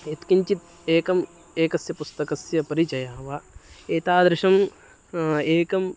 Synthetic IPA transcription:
et̪kiɲt͡ʃit̪ | eːkɐm | eːkɐsjɐpust̪ɐkɐsjɐpɐɾit͡ʃɐjaːɦɐʋaːeːt̪aːd̪ɾɪʃɐm | eːkɐm

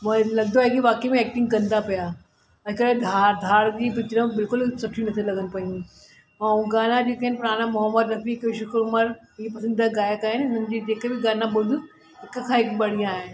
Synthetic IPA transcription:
mɐ̃lɐɡd̪oaːɦekiʋaːkemẽɛːk̚ʈɪ̃ŋɡkɐ̃nd̪apija | ɐkəɽẽd̪ʱad̪ʱaːɽd͡ʑiːpɪt͡ɕɾəmbɪlkʊlsʊʈʰĩnɐt̪ʰilɐɡʱənɪpɐĩ | mãũɡaːnad͡ʑeːkɐɦɪnɪpʊɾaːnamʊɦəmːəd̪ɾɐfiːkeʋʃʊkɾʊməɾ | ɦiepɐsə̃nd̪iaɡaːjakaːɦɪnʊn̤ənd͡ʑiːd͡ʑeːkebɪɡaːnabʊd̪u | ɦɪkkʰãːɦɪkbɐɽ̤ijãaːɦɪnɪ̆

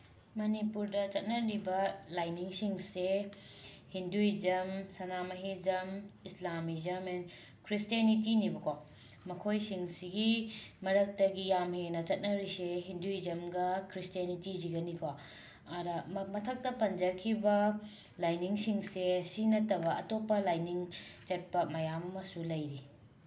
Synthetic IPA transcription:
mɐnipuɾdɐt͡ʃɐt̚nɐɾibɐlajniŋsiŋse | hinduizɐmsɐnamɐɦizɐmislamizɐmen | kʰɾistianitinibɐkʰo | mɐkʰojsiŋsiɡimɐɾɐk̚tɐɡijamenɐt͡ʃɐt̚nɐɾiseɦinduizɐmɡɐkɾistijanitid͡ʒiɡɐnikʰo | ɐɾɐmɐtʰɐk̚tɐpɐnd͡ʒɐkʰibɐ | lajniŋsiŋsesinɐtɐbɐɐtopːɐlajniŋt͡ʃɐt̚pɐmɐjamɐmɐsulɐjɾi

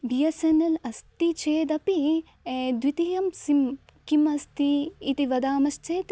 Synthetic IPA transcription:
bijɐsɐnɐlɐst̪it͡ʃeːd̪ɐpi | d̪ʋit̪ijɐmsim | kimɐst̪iːt̪iʋɐd̪aːmɐst͡ʃeːt̪

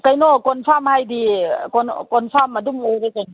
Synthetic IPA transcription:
kajnɔkɔnpʰamhajdikɔnkɔnpʰamɐdumojɾekan

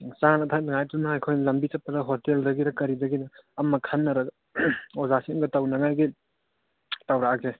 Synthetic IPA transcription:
sanɐtʰajnaŋajtunaajkʰojnlɐmbit͡ʃɐpːɐdɐɦoteldɐɡiɾɐkɐɾidɐɡinɐːmːɐkʰanːɐɾɐɡ | ozasiŋɡɐtawnɐŋajɡi | tawɾaaɡe

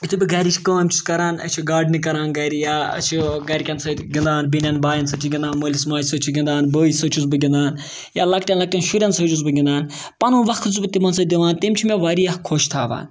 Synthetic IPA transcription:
it̪ubʲiɡɐɾit͡ʃʰkəːmʲt͡ʃʰu̥skɐɾaːnɐ̰t͡ʃʰiɡaːɖnikɐɾaːnɡɐɾijaːɐ̰t͡ʃʰiɡɐɾʲkʲɐnsɐɡʲind̪aːnbinʲɐnbaːjɐnsɐt͡ʃʰiɡʲĩnd̪aːnməːlʲismaːjʲsɐt͡ʃʰiɡʲind̪aːnbəːisɐːt͡ʃʰuzbɨɡʲĩnd̪aːn | jaːlɐkʈʲjɐnlɐk̚ʈʲɐnʃuɾʲɐnsɐd͡ʒuzbɨɡʲind̪aːn | pɐnuːnʋɐxt̪ɨzbɨt̪imɐnsɐd̪iʋaːnt̪imt͡ʃʰimeʋaːɾiɐhkʰoːʃt̪ʰaːʋa̰ːn

